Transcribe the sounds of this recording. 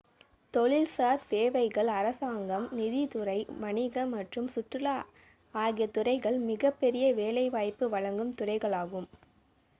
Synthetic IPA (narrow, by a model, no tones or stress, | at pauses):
t̪ɔɭɪlsaːɾseːʋɐɪɣɐɭɐɾɐsaːŋɡɐmnɪðit̪ʊrɐɪmɐɳɪɣɐmːɐʈrɯmsʊʈrɯla | aːɣɪjɐt̪ʊrɐɪɣɐɭmɪɣɐpːɛɾɪjɐʋeːlɐɪʋaːjpːɯʋɐɻɐŋɡɯmt̪ʊrɐɪɣɐɭaːɣɯm